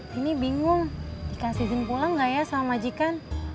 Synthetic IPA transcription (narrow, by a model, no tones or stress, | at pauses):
inibiŋʊŋdikasid͡ʒənpulaŋɡajasalamad͡ʒikan